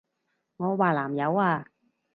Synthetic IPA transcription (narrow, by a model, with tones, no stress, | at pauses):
ŋɔː˨˧waː˨˩laː˨˩mjɐ˨˧waː˧